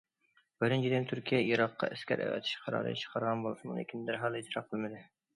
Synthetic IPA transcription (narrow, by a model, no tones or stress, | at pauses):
b̥ɪɾɪnt͡ʃʰid̪ɪnt̪ʰyɾkʲʰijɛʔiɾɑqʰːɑ̰ʔæskʲæ̰ɾʔæ̰wɛ̰t̪ʰɪ̥ʃqʰɑɾɑ̰ːɾɨ̰t͡ʃʰə̥qʰɑɾʁɑnbolˠɨsɨmunɪ̰kʲʰind̪æɾɦɑlˠit̪ʰɾɑqʰːəlˠmɪd̪ɪ